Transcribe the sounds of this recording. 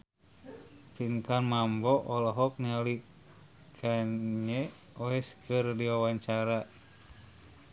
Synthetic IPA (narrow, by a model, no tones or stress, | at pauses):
fiŋkanmambɔʔɔlɔɦɔk̚nali | kʰaɲɛ | ɔɛskɨrdiwawaɲt͡ʃaɾa